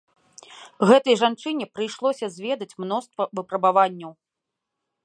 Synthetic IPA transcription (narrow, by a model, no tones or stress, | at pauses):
ɣɛt̪ɐjʐant͡ʂɨnʲɛpɾɨjʂlˠɔsʲɐzʲvʲɛd̪ɐt͡sʲmnɔst̪vɐvɨpɾɐbavanʲːɐw